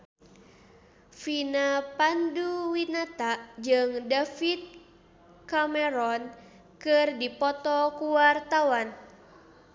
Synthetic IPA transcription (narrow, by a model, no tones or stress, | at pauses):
finapanduwinat̪aʔd͡ʒɨŋdafit̪̚ | kamɛɾɔn | kɨrdipɔt̪ɔkuwart̪awan